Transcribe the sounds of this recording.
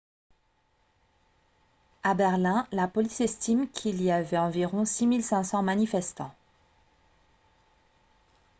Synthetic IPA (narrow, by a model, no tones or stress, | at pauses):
abɛʁlɛ̃lapɔlisɛst̪imkʰiliavɛɑ̃viʁɔ̃similsɛ̃sɑ̃manifɛst̪ɑ̰̃